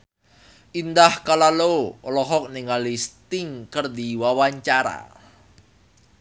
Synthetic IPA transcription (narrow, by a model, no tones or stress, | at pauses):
ʔind̪ahkalalolɔɦɔk̚niŋalist̪ɪŋkərd̪iwawaɲt͡ʃaɾa̰